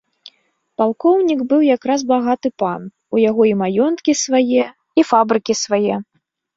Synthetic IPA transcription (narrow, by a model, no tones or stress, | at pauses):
palˠkɔwnʲiɡbɨwjakɾaz̬baɣat̪ɨpan | ujaɣɔimajɔnt̪kʲisvajɛ | ifabɾɨkʲisvajɛ